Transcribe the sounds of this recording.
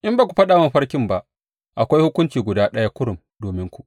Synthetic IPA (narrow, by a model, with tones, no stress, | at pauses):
ʔɪ˦mbaː˨kʷu̥˨ɸɐ˦ɗaː˨wa˦˨ɸɐ˦ɽkʲɪ˦˨mba˨ʔ | ʔa˨kʷa˦jhʊ˦kʷʊ˦nt͡ʃiː˨ɡʷʊ˨daː˦ɗɐ˦ja˦kʷʊ˦ɽʊ˨m | doː˨mɪ˦ŋkʷu˨ʔ